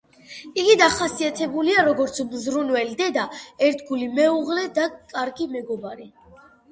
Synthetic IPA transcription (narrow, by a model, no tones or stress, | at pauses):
iɡid̪aχasiat̪ʰɛbuliaɾɔɡɔɾt̪sʰmzɾunwɛlid̪ɛd̪aɛɾt̪ʰɡulimɛuʁlɛd̪akʼaɾɡimɛɡɔbaɾi